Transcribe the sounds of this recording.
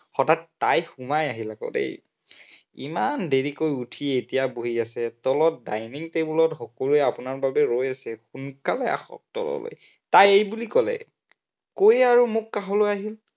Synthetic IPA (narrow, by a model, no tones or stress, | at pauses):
xɔtattːajxumajaɦilaɡɔ̰tḛj | ḭmandeɹikojutʰietijaboɦiasɛtɔlɔt̚dajniŋtebulɔtxɔkɔluɛapunaɹbabɛɹojasɛxunkalɛa̰xɔ̰k̚tɔ̰lɔ̰lo̰j | tajejbulikɔlɛ̰ | kojaɹumʊkːaɦɔlojaɦil